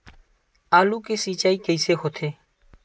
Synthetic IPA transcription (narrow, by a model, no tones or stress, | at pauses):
aːluːkeːsiːt͡ʃaːiːkeiseːɦoːt̪ʰeː